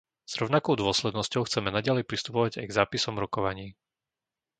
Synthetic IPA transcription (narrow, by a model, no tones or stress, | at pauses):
z̥ɾɔʊnakɔʊd̪ʊɔslɛd̪nɔscɔʊxt͡sɛmɛnaɟalɛjpɾist̪upɔʋaɟajɡzaːpisɔmɾɔkɔʋaɲiː